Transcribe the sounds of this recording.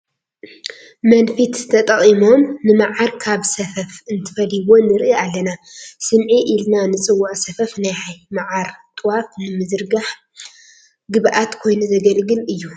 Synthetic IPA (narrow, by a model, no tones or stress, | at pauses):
mɐnfit̪t̪ʰɐt̪ʼɐχʼimo̞mnɨmaʕaɾkʰaβsɐfɐfɨnt̪ʰɨ̥fɐliwo̞nɨɾʔialːɐnasɨmʕiʔilnanɨt͡sʼɨwːaʔsɐfɐfnajhajmaʕaɾt̪ʼɨwafnɨmɨzɨɾɡaħ | ɡɨβʔat̪kʰo̞jnuzɐɡɐlɡɨlɨjːu